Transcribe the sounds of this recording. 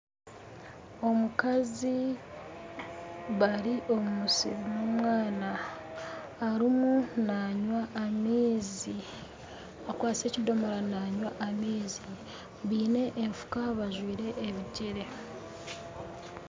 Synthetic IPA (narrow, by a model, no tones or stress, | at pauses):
o̞mukazi | βaɾiʔo̞mumusḭβnomwaːnaː | ɾimunaɲwaːmiːzi | akwaːse̞ːcido̞moɾanaɲwaʔamiːzi | βiːne̞ʔeɱfu̥kaβaʒwiːɾe̞ʔːβiɟiɾe̞